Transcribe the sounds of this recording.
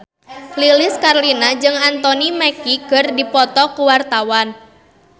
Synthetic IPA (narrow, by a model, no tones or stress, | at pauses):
lilɪskarlinad͡ʒɨŋant̪ɔnimɛkiɡərdipɔt̪ɔkuwart̪awan